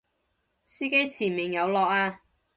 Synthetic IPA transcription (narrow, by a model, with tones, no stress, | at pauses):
siː˥ke˥jt͡sʰiː˨˩nmɪ˨˩ŋjɐ˨˧wlɔː˨k̚aː˧